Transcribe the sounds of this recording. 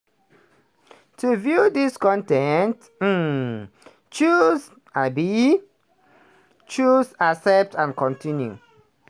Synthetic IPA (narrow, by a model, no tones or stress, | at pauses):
tʰuvjudiskɔ̃ntɛnt̩ | t͡ʃuz | abi | t͡ʃuzasɛp̚tãnkʰɔ̃ntĩnjṵ